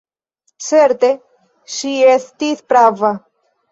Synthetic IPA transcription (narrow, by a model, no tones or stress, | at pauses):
seɾt̪e | ʃiest̪iθpɾava